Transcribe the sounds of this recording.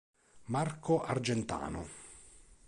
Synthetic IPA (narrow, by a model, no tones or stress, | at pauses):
markʰoʔa̰rd͡ʒɛnt̪a̰ːnʊ̰